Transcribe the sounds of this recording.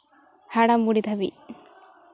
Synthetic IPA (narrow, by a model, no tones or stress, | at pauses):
hɐɽɐmːuɽid̪ʱɐbḭ